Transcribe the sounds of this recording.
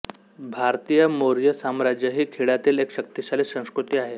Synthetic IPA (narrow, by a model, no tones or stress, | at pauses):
bʱaɾt̪ijəmoɾjəsamɾad͡ʑjəɦiːkʰeɭat̪iːlekɕək̚t̪iɕaliːsə̃w̃skɾut̪iːaɦe